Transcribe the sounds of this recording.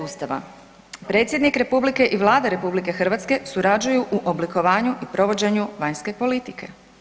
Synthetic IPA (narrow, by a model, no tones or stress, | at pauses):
ust̪aʋa̰ | pɾe̞ːt̪sjed̪nikɾe̞publike̞ʔiʋlˠaːd̪aɾe̞publike̞xr̩ʋat̪ske̞suɾad͡ʑujuʔuʔobliko̞ʋaːɲuʔipɾo̞ʋo̞d͡ʑe̞ɲuʋaɲske̞po̞lit̪ikʰe̞